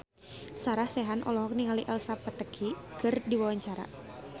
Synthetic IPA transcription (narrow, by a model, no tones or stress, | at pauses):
saɾahsɛɦanʔɔ̰lɔɦɔk̚niŋaliʔalsapat̪əkʰikɨrdiwawaɲt͡ʃaɾa̰